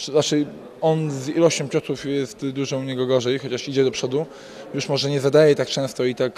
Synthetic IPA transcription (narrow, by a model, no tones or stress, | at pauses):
at͡ʂɘ | ɔnzilɔɕt͡ɕɔ̃mpʲɔt̪ufjɛst̪d̪uʐɔ̃uɲɛɡɔɡɔʐɛjxɔt͡ɕaʂid͡ʑɛd̪ɔpʂɔd̪u | juʂmɔʐɛɲɛzad̪ajɛt̪ak̚t͡ʂɛ̃w̃st̪ɔit̪ak